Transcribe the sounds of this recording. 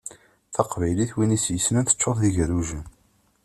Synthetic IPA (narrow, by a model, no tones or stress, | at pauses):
θɑqvæjliθwinisjəsnænθə̥t͡ʃːʊðˤðiʝɾuʒən